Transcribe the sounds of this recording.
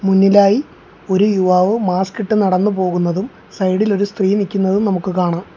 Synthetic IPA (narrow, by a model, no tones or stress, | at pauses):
munːilaːji | o̞ɾujuʋaːʋɨmaːskiʈːɨnɐɽɐnːɨpo̞ːɣun̪ːɐðum | sɐjɽilo̞ɾust̪riːɐnikʲːunːɐðumnɐmukːɨkaːɳaːm